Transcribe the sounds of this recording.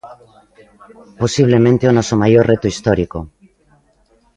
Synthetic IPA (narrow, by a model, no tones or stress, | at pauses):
posiβ̞lemẽnt̪eonɔsomajorret̪oist̪ɔɾiko